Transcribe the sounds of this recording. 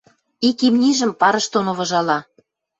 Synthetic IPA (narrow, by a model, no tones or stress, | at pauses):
ikimnʲiʒə̆mpɑɾɤ̆ʃt̪onoβɤ̆ʒɑlɑ